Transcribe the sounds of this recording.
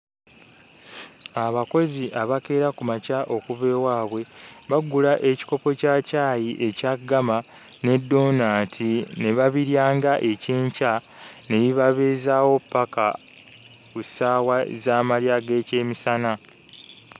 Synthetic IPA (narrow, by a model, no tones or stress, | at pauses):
aβako̞ziʔaβake̞ːɾakumacaʔo̞kuβe̞ːwaːβwe̞βaɡulaʔe̞ci̥ko̞po̞caːcaːjiʔe̞caɡama | ne̞dːo̞naːtʰine̞βaβiɾjaːŋɡaʔe̞ceːɲca | ne̞βiβaβe̞ːzaːwo̞pːaka | kusaːwazaːmaljaːɡe̞ːce̞ːmisana